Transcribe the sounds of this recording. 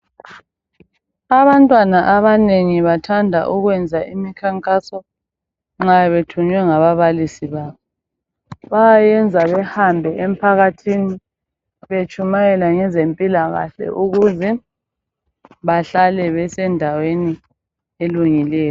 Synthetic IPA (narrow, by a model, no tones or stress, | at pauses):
aβantʼwanaʔaβaneŋiβatʰandʱa̰ʔuɣwɛnd͡zʱaʔimikʰaŋkʼasɔ | ŋ͡ǁajɛβetʰuɲwɛŋaβaβalisiβaːβɔ | βajajɛnd͡zʱaβɛhambʱɛʔem̩pʰaɣatʰini | βet͡ʃʼumajɛlaŋɛzempʼilaɣa̰ɬɛ̰ʔuɣuzɛ | βaɬalɛβɛsɛndʱaweni | eluŋilɛːjɔ